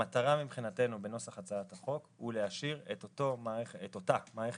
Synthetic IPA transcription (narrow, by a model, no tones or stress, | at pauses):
at̪aʁamibχinate̞nube̞no̞saχat͡saat̪aχo̞khuleaʃiʁetot̪o̞maeeetot̪amaːʁeχ